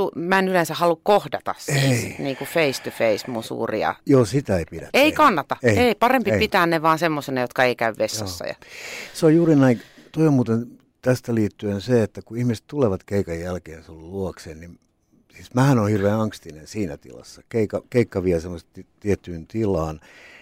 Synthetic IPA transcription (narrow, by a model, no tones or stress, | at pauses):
umænylensæhɑlukkohdɑt̪ɑ̰ssesit̪niːŋkufeist̪ufeismunsṵːrḭɑ̰joːsit̪æeipidæ̰t̪eikɑnːɑt̪ɑeieipɑrempipit̪æːnneʋɑːnsemːosenɑjot̪kɑeikæyʋʋesːɑ̰sːɑ̰jɑ̰seojuːrinæit̪oimuːt̪en | t̪æst̪æliːt̪ːyenseet̪ːækuihmise̥t̪t̪uleʋɑt̪keikɑjjælkeːnsolːulluokseːnnim | sismæhænoːhirʋeːnɑŋkst̪inensiːnæt̪ḭlɑ̰sːɑkeikɑkeikːɑʋiæsemːost̪t̪t̪iet̪ːyːnt̪ilˑɑːn